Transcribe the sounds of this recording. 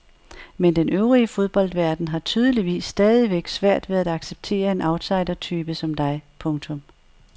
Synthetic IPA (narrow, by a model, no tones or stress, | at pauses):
mend̥enøʊʁiəfo̝ð̞ˠb̥ɒ̽l̰d̥ʋæɐd̥n̩ɦɑ̈t͡sʰyːð̞ˠəliʋḭːsːd̥ɛːð̞ˠiʋeɡ̥sʋæɐ̰d̥ʋe̝ðˠæd̥ɑ̈ɡ̥seb̥̚t͡sʰe̝̰ːɐe̝nʔɑ̈ʊd̥sɑ̈ɪdɐt͡sʰyːb̥əsɒ̽md̥ɑ̈ɪpʰɔ̽ŋt͡sʰɔ̽m